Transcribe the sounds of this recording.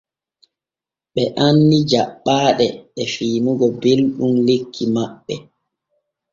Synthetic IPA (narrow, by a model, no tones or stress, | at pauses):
ɓɛʔanːid͡ʒaɓːaːɗɛɛfiːnuɡɔbelɗumlekʰːimaɓːɛ